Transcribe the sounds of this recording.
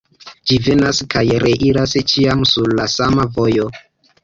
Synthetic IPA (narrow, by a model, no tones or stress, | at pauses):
d͡ʒive̞naskajɾe̞ʔiɾast͡ʃiamsuɾlasamavo̞jo̞